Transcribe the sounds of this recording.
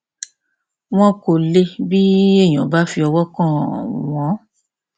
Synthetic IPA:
w̃ɔ̃˦ko˨le˧bi˦e˦˨j̃ɔ̃˨ba˨˦fi˧ɔ˧wɔ˦kã˦˨w̃ɔ̃˨˦

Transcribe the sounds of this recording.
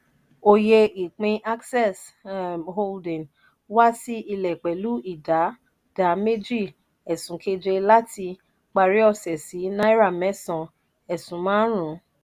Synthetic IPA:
o˧je˧i˨k͡pĩ˧ʔa˦ksɛ˦˨s | ɦo˦˧ldĩ˨ | wa˦si˦ʔi˧lɛ˨k͡pɛ˨lu˨˦i˦˨da˨˦ | d̥a˨˦me˦d͡ʒi˦˨ | ɛ˨sũ˨˦ke˧d͡ʒe˧la˦tʰi˧ | k͡pa˧ɾi˨˦ɔ˦˨sɛ˨si˨˦nã˦i˦ɾa˦˨mɛ˦sɔ̃˨ | ɛ˨sũ˨˦mãː˦ɾũ˨˦

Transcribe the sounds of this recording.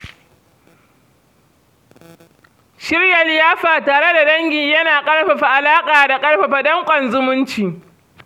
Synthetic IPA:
ʃɪ˦ɽja˨lɪ˨jaː˦ɸaː˨taː˨ɽe˦da˨dɐ˦ŋɡʲɪ˨jɐ˦naː˨kʼɐ˦ɽɸa˨ɸa˨ʔa˨laː˦kʼaː˨da˨kʼɐ˦ɽɸa˨ɸa˨dɔ˦ŋkʷʼɐ˨nzʊ˦mʊ˦nt͡ʃiː˨

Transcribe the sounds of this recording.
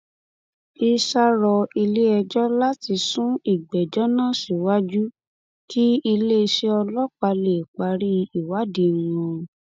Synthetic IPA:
i˧sa˧ɾɔ˧i˧le˦ɛ˧d͡ʒɔ˦la˦ti˧sũ˦i˦˨ɡ͡bɛ˨d͡ʒɔ˨˦nãː˦˨si˨wa˦d͡ʒu˦ | ki˦i˧le˦˧ʃe˧ɔ˧lɔ˦k͡pa˧le˨k͡pa˧ɾi˦i˨wa˨˦dĩ˧˦˨wɔ̃˧

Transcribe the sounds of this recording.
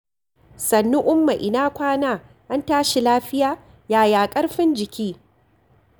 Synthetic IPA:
sɐ˨nːʊ˦ʔʊ˦mːa˨ʔɪ˨naː˦kʷaː˦naː˦ | ʔa˦ntaː˦ʃi˨laː˦ɸɪ˦jaː˦ | jaː˨jaː˨kʼɐ˦ɽɸɪ˦nd͡ʒɪ˨kʲiː˦

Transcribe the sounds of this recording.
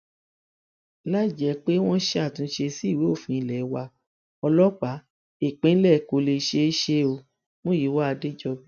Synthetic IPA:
la˦i˦˨d͡ʒɛ˨˦k͡pe˦w̃ɔ̃˦ʃe˧˦a˦˨tũ˧ʃe˧si˦˨we˨˦o˦˨fĩ˧i˧lɛ˨˦wa˧ | ɔ˧lɔ˦k͡pa˨˦ | e˦˨k͡pẽ˨˦n̩˦lɛ˦˨˦ko˧le˧ʃe˧˦ʃe˦o˧ | mõ˦ji˨˦wa˦a˧de˦d͡ʒɔ˧bi˦

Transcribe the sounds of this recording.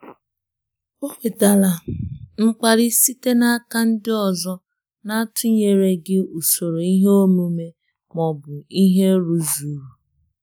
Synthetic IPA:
o˦k͡pe˨ta˨la˨ŋ͡m̩˦k͡pa˨ɾɪ˦si˦te˦na˦a˦ka˦n̩˦dɪ˦ɔ˨zɔ˦ | na˦tʰʊ˦ɲe˨ɾe˦ɡɪ˦u˨so˨ɾo˨i˦ɦe˦o˦nu˦me˦ | mɔ˨bʊ˨i˦ɦe˦ɾu˨zu˨ɾu˨

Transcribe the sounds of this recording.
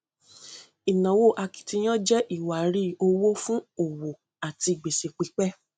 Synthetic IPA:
i˨nã˨wo˦˨ʔa˧ki̥˨ti˧j̃ɔ̃˦d͡ʒɛ˦ʔi˦˨wa˨˦ɾi˦o˧wo˦fũ˦o˨wo˨ | a˨ti˧˨ɡ͡be˨se˨k͡pi˨˦k͡pɛ˦

